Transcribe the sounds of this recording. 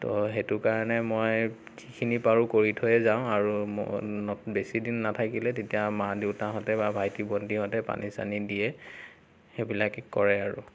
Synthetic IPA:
tɔɦetukaɹanɛmoj | kʰikʰinipaɹukoɹitʰɔjɛzaʊ̃aɹṵnɔbesidinːatʰakilɛtetijamadeʊtaɦɔtɛbabʱajtibɔndiɦɔtɛpa̰nʔisa̰nidijɛ | xebilakɛkɔɹɛaɹṵ

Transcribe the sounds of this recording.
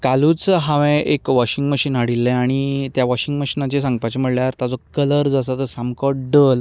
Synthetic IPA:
kaluːt͡sɦaʋẽʔekʋɔɕiŋɡməɕiːnɦaɽilːɛ̃aɽ̃it̪jaʋɔɕiŋɡməɕinat͡ɕesãŋɡpat͡ɕem̤əɽljaɾt̪ad͡zɔkələɾd͡zas̬at̪əsamkɔʈɖəl

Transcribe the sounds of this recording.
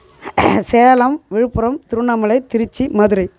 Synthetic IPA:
seːlɐmʋɪɻɯpːɯɾɐmt̪ɪɾɯɳːɐmɐlɐɪt̪ːɪɾɯt͡ʃːimɐðɯɾɐɪ

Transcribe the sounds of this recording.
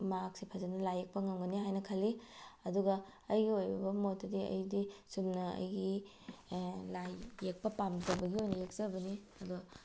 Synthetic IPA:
maksipʰazɐnɐlajek̚pɐŋɐmɡɐniɦajnɐkʰɐlːiɐduɡɐɐjɡiojbɐbɐmotːɐdiɐ̰jdisumnɐɐ̰jɡi | lajːek̚pɐpamzɐbɐɡiojnɐjek̚zɐbɐni | ɐdu

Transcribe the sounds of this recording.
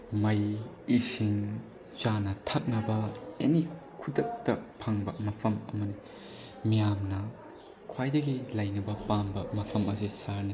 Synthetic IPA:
mɐj | isiŋ | t͡ʃanɐtʰak̚nɐbɐḛnikʰudɐk̚tɐpʰaŋbɐmɐpʰɐmɐ̰mɐni | mijamnɐ | kʰwajdɐɡilɐjnɐbɐpambɐmɐpʰɐmɐsisaɾni

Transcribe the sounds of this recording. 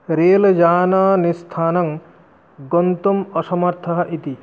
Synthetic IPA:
ɾeːld͡ʒaːnanist̪ʰaːnɐŋ | ɡɔnt̪umɔsɔmɐɾt̪ʰɐɦɐʔit̪i

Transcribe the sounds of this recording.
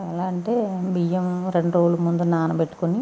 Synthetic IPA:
ɛlaːɐɳʈeːbijemɾeɳɖɾoːɭːumund̪unaːnɐpeʈːu̥koni

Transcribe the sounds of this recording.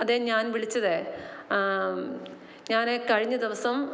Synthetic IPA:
ɐðeɲaːnʋiɭit͡ɕːɐðe | ɲaːnekɐɻiɲːɐd̪iʋɐsɐm

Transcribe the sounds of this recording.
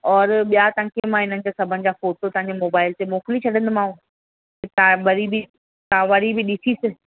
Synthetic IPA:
ɔːɾɓijat̪ə̃ːkemãɦɪn̤ənɪ̆d͡ʑoːsɐbʱənɪ̆d͡ʑaːfoːʈot̪ɐ̃ɦãɲd͡ʑemoːbaːɪlt̪emoːkɪlit͡ɕʰɐɽə̃nd̪mãːũ | et̪abɐɾibɪ | t̪ãːʋɐɾibɪɗɪsisɪ̆

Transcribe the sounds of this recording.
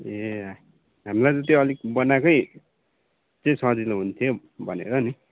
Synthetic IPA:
e | ɦamilajd͡zʌt̪jiʌlikbʌnakʌj | t͡saĩsʌ̃ɦd͡ziluɦunt̪ʰjo | bʱʌnḛɾʌni

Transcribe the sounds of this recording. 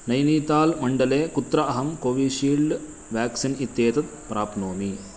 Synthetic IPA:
nɐjniːt̪aːlmɐɳɖɐleːkut̪ɾɐɐɦɐmkoːʋiːʃiːlɖ | ʋjaːksinit̪jeːt̪ɐt̪̚pɾaːpnoːmi

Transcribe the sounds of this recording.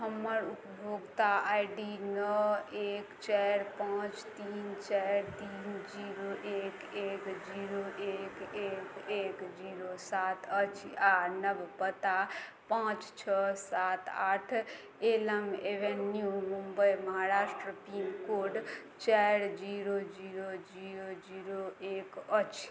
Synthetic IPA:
ɦəmːəɾupəbʱoɡt̪aajɖinəekt͡ʃɛɾpãt͡ʃt̪int͡ʃɛɾt̪ind͡ʒiɾoʔekekd͡ʒiɾoʔekekekd͡ʒiɾosat̪ʰət͡ʃʰianəbpət̪a | pãːt͡ʃt͡ʃʰəsat̪aʈʰ | eləmebenːjumumbəjməɦaɾaːsʈɾəpimkoɖ | t͡ʃɛɾd͡ʒiɾod͡ʒiɾod͡ʒiɾod͡ʒiɾoekət͡ʃʰ

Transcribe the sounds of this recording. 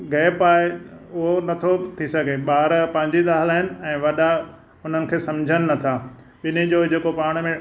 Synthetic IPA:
ɡɛːpaːeʊɦonɐt̪ʰot̪ʰisɐɡʱeɓaːɾpɐ̃ɦɪ̃ɲd͡ʑid̪aːɦɪlaːɦɪnɪ̆ɛ̃ːʋɐɗa | ʊn̤ənɪ̆kʰeːsɐ̃md͡ʑʱənɪ̆nɐt̪ʰaː | ɓɪn̤ed͡ʑoːd͡ʑeːkopaːɽ̃mẽ

